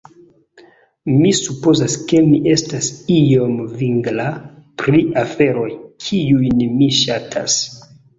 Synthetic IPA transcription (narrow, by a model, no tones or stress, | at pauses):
misupo̞zaske̞miʔe̞stasijo̞mviŋɡlapɾiʔafe̞ɾo̞jkʰiujnmiʃatʰa̰s